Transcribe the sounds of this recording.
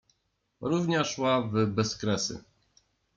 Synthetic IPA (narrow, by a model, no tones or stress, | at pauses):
ɾuvɲaʂwavbɛskɾɛsɘ̰